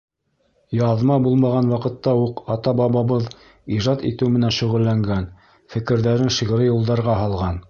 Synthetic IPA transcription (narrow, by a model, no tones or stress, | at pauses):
jɑðmɑbulˠmɑʁɑnwɑqɤ̆t̪ːɑuqɑt̪ɑbɑβɑβɤð | iʒɑt̪ḭt̪ɘwmɘ̆nænʃɵ̆ʁɘ̆lːæŋɡæn | fɘ̆kɘ̆ɾðæɾɘnʃiʁ̆ɾɘjŭlˠd̪ɑɾʁɑɦɑlˠʁɑn